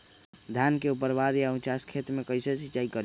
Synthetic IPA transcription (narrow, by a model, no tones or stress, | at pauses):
d̪ʱjankeupəɾbaɾjaũt͡ʃaskʰet̪mekəjset͡ʃʰit͡ʃaikəɾ